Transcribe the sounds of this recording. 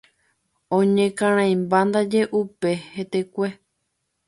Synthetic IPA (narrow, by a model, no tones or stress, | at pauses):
õɲẽkãɾ̃ãj̃mband̪ad͡ʒeʔupehet̪ekʷe